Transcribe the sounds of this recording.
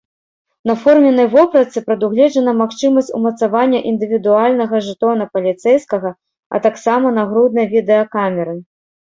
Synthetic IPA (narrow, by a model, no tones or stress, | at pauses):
nɐfɔrmʲɛnɐjvɔpɾɐt̪sɨpɾɐd̪uɣlʲɛd͡ʐɐnɐmaxt͡ʂɨmɐsʲt͡sʲṵmɐt̪savanʲːɐʔind̪ɨvʲid̪ualʲnɐɣɐʐɨt̪ɔnɐpɐlʲit̪sɛjskɐɣɐ | ɐ̰t̪aksamɐnɐɣɾud̪̚nɐjvʲid̪ɛɐkamʲɛɾɨ